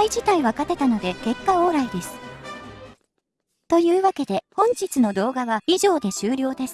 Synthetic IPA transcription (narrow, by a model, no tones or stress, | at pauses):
id͡ʑit̪aiβakat̪e̞t̪ano̞d̪e̞ke̞kːao̞ːɾaid̪e̞sɨ̥ | t̪o̞jɯ̟ːβake̞d̪e̞hõ̞ɲ̟d͡ʑit͡sɨno̞d̪o̞ːɡaβaiʑo̞ːd̪e̞ɕɨːɾʲjo̞ːd̪e̞sɨ̥